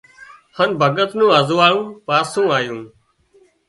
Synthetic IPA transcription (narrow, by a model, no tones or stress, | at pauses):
hənbʱəɠət̪nũːəzʋaːɭũːpaːsũːaːjũː